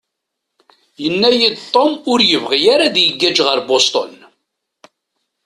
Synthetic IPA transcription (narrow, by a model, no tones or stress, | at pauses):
jənːæjid̪t̪ˤːomʊɾjəvʁijaɾaðjəɡːæd͡ʒʁəɾbost̪o̰n